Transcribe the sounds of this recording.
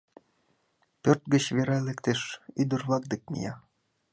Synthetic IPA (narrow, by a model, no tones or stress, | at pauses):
pørt̪̚ɡət͡ɕβeɾɑlekt̪eʃyd̪ə̆rβlɑk̚d̪ek̚mḭjɑ